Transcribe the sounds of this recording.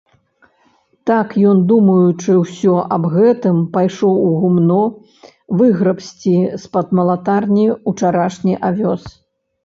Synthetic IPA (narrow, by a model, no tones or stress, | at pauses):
t̪akjɔnd̪umɐjut͡ʂɨwsʲɔʔɐbɣɛt̪ɨmpajʂɔwuɣumnɔ | vɨɣɾɐpsʲt͡sʲispɐd̪mɐlˠat̪arnʲiut͡ʂaɾaʂnʲiʔavʲɔs